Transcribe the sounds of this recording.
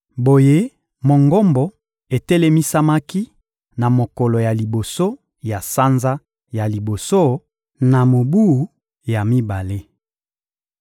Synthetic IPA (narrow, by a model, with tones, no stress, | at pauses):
bo˨je˦ | mo˨ŋɡɔ˦mbɔ˨ | e˨te˦le˦mi˦sa˦ma˦ki˦ | na˨mo˨kɔ˨lɔ˨ja˨li˨bo˨so˦ | ja˨sa˦nza˦ | ja˨li˨bo˨so˦ | na˨mo˨bu˦u˨ | ja˨mi˦ba˨le˦